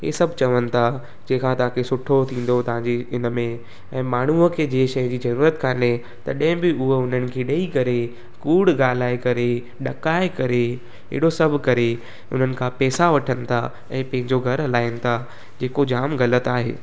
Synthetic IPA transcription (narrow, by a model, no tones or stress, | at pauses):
ɦḛːsɐbʱt͡ɕɐʋənɪ̆t̪ʰa | d͡ʑẽːkʰãt̪ɐʋ̤ãkʰesʊʈʰot̪ʰĩːn̆d̪ot̪ɐʋ̤ãɲd͡ʑeɪnə̆mẽ | ɛ̃ːmaːɳ̤uəkʰeːd͡ʑeːʃɐjə̃d͡ʑiːzɐɾuːɾət̪kʰaːne | t̪ɐ̰ɗɐ̃ɦɪ̃bɪʊɦʊn̤ənɪ̆kʰeːɗɐikɐɾe | kuːɽɡaːl̤aːekɐɾe | ɗɐkaːekɐɾe | ḛɦɽosɐbʱkɐɾe | ʊ̰n̤ənɪ̆kʰãpɛːsaʋɐʈʰənɪ̆t̪ʰa̰ | ɛ̃ːpɐ̃ɦɪ̃ɲd͡ʑoɡʱɐɾɐlaːɪənɪ̆t̪ʰa | d͡ʑeːkod͡ʑaːmɣɐlət̪aːɦḛː